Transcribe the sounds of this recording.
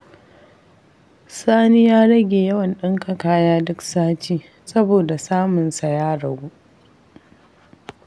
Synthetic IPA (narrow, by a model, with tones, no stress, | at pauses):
saː˦ni˦jaː˦ɽɐ˦ɡʲeː˨jɐ˦wɐ˨nɗɪ˦ŋka˨kaː˦jaː˦dʊ˦ksaː˦t͡ʃiː˦ | sɐ˦boː˨da˨saː˦mʊ˨nsa˨jaː˦ɽɐ˨ɡʷuː˦